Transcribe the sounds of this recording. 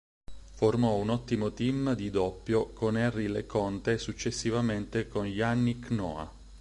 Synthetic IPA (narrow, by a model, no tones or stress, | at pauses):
formɔunɔt̪ːimot̪imd̪id̪ɔpːjokonɛrːilḛkɔnt̪esut͡ʃːesːivament̪ekonʎanːiknɔ̰a̰